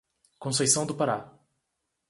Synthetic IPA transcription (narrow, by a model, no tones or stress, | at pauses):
kõs̬ejsɐ̃w̃d̪ʊpaɾa